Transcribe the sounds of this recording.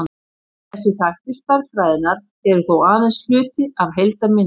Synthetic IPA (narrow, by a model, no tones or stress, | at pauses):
θɛsːɪθahcɪst̪aɾkfɾaːjðɪnaɾ̥ | ɛɾʏθowaːðɛnsl̥ʏːt̪ɪavɦejlt̪amɪn